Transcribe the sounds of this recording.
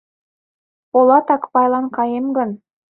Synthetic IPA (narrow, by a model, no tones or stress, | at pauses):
olˠɑt̪ɑkpɑjlˠɑnqɑjemɡɵ̆n